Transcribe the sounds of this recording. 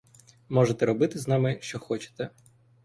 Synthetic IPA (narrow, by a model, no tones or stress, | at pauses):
mɔʒet̪ɛɾɔbɪt̪ɪznɑmɪʃt͡ʃɔxɔt͡ʃe̥t̪ɛ